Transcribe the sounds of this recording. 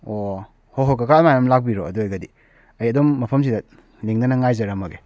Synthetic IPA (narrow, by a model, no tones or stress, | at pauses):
o | hoɦokakamajamlak̚biɾo̰ɐ̰duojɡɐdi | ɐjɐdomːɐpʰɐmsidɐ | liŋnɐnɐŋajzɐɾɐmɐɡe